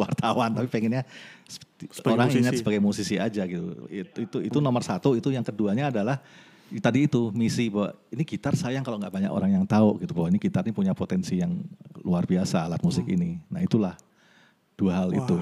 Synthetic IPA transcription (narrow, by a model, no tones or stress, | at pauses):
wart̪awant̪apipeŋɛnɲasoɾaŋiɲatsəbaɡajmusisiad͡ʒaɡit̪ṵt̪uit̪unɔmərsat̪uit̪ujaŋkəduaɲaːdalah | t̪adiːt̪umisibawa̰ʔiniɡit̪arsajaŋkaloŋɡaʔbaɲa̰ko̰ɾaŋjaŋt̪aoʔɡit̪ubawainiɡit̪arɲapuɲapot̪ɛnsijaŋluarbiasaːlat̪̚musɪkḭninait̪ulah | d̥uaɦalḭt̪u